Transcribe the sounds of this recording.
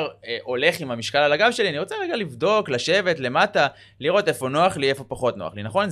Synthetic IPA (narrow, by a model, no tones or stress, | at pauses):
ʁʔo̞le̞χimamiʃkalalaɡavʃe̞lianiʁo̞t͡seʁeɡalivdo̞klaʃe̞ve̞tle̞mata | liʁo̞te̞fo̞no̞aχliefo̞paχo̞tnoa̰χlinaχo̞nz